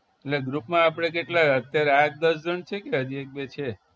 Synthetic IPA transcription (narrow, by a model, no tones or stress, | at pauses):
eʈleɡɾupmãːpɽ̃ek̬eʈlaət̪jaɾeak̚d̪əs̬d͡ʒəɳt͡ʃʰekeɦəd͡ʒiek̚bet͡ʃʰe